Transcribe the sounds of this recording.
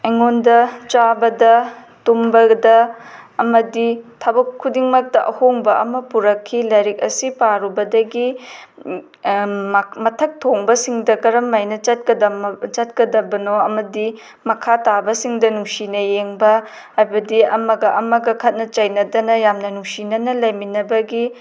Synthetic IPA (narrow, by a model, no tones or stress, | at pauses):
ɐŋondɐt͡ʃabɐdɐ | tumbɐdɐɐmɐditʰɐbɐkʰːudiŋmɐk̚tɐʔɐhoŋbɐʔɐ̰mɐpuɾɐkʰːilɐjɾik̚ɐsipaɾubɐdɐɡi | mɐtʰɐk̚tʰoŋbɐsiŋdɐkɐɾɐmːajnɐt͡ʃɐt̚kɐdɐt͡ʃɐt̚kɐdɐbɐnoɐmɐdi | mɐkʰatabɐsiŋdɐnuŋsinɐjeŋbɐ | ajbɐdiɐmɐɡɐʔɐmɐɡɐkʰɐt̚nɐt͡ʃɐjnɐdɐnɐjamnɐnuŋsinɐnɐlɐjminɐbɐɡi